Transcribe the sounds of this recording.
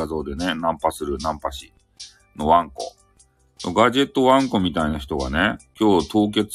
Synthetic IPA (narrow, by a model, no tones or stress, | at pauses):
azo̞ːd̪e̞nenãmpasɨɾɯ̟nãmpaɕi | no̞βãŋko̞̰ | noɡaʑe̞t̪ːo̞βãŋko̞mʲit̪ainaçi̥t̪o̞ɡa̰ne̞kʲo̞ːt̪o̞ːk̬e̞t͡s